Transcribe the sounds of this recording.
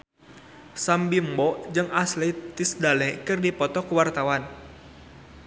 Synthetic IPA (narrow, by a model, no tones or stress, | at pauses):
sambimbɔd͡ʒɨŋaslɛt̪isdalɛkɨrdipɔt̪ɔkuwart̪awan